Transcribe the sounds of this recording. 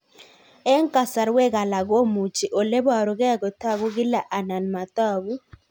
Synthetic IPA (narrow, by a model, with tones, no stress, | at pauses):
ɛ˦ŋka˨sa˨ɾwe˦ɡa˨la˨ɡo˦mu˨t͡ʃi˨ʔo˨le˦ba˨ɾɔ˨ɡɛ˦ɡɔ˨ta˦ɡu˦ɡɪ˦la˨ʔa˨na˨nma˨t̪a˦˨ɡu˦